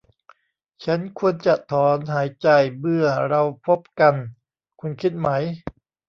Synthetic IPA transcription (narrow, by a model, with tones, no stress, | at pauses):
t͡ɕʰa˦˥nkʰu˧ənt͡ɕa˨˩ʔt̪ʰɔː˩˦nɦaː˩˦jt͡ɕa˧jmɯ˥˩ɐɾa˧wpʰo˦˥p̚ka˧n | kʰu˧nkʰi˦˥t̪̚ma˦˥j